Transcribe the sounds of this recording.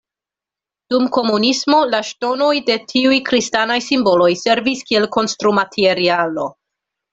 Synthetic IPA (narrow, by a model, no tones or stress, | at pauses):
d̥umko̞munismo̞laʃto̞no̞jde̞tʰiujkɾistanajsimbo̞lo̞jse̞ɾviskie̞lko̞nstɾumatʰeeɾialo̞